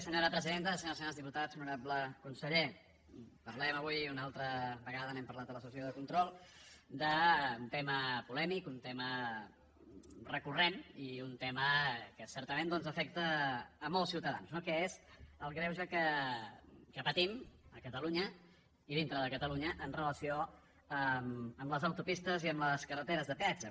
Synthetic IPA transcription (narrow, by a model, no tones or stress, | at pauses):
səɲoɾəpɾəziðent̪əsəɲoɾasəɲoɾalzðiput̪at͡sunəɾapləkunsəʎe | pərlɛməβujunalˠt̪ɾəβəɣaðənɛmpəɾlat̪d̪ələsusisoðəkunt̪ɾɔlˠd̪əunt̪ɛməpulɛmikunt̪emə | rəkureniunt̪eməkəsɛɾt̪əmẽnd̪ɔnzəfɛk̚t̪əːmɔlˠsiwt̪əða̰nznokɛezəlˠɣɾɛwʒəkə | kəpət̪iməkət̪əluɲə | iðint̪ɾəðəkət̪əluɲəʔənrələsio | əməmləzəwt̪upist̪əziəmləskərət̪eɾəzðəpead͡ʒə